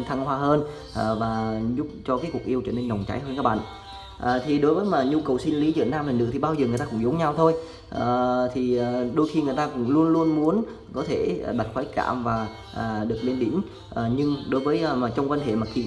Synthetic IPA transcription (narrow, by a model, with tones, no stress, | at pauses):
t̪ʰaː˧ŋhwaː˧ɦəː˧n | ʔəː˨˩vaː˨˩zʊ˦˥p̚t͡ɕɔ˧kaː˨˦ku˨˩ək̚ʔi˧əwt͡ɕɔː˧˩ne˧nːə˨˩wŋ͡mt͡ɕa̰˨˦jɦəː˧nkaː˦˥k̚ɓa̰ː˧˨ | ʔəː˨˩t̪ʰi˨˩ɗo˨˦jvəː˨˦jmaː˨˩ɲu˧kə˨˩wsi˧nli˨˦zḭ˧˨nːaː˧mlaː˨˩nɨ̰˧˥t̪ʰi˨˩ɓaː˧wzəː˨˩ŋ˨˩jt̪aː˧kʊ̰˧˥ŋ͡mzo˨˦ŋ͡mɲa˧wt̪ʰo˧j | ʔəː˨˩t̪ʰi˨˩ʔːɗo˧˦jxi˧ŋɨ˨˩əjt̪aː˧kʊ̰˧˥ŋ͡mlu˧ənlu˧ənmu˨˦ən | kɔ˨˦t̪ʰeː˧˩˨ɓa˨˩t̚xwaː˨˦jka̰ː˧˩mvaː˨˩ | ʔəː˨˩ɗɨ˨˩ək̚li˧nɗi˨˦n | ʔəː˨˩ɲɨ˧ŋɗo˨˦jvəː˨˦jmaː˨˩t͡ɕɔ˧wŋ͡mkwaː˧nhḛ˧˨ma˨˩k̚kḭ˧˨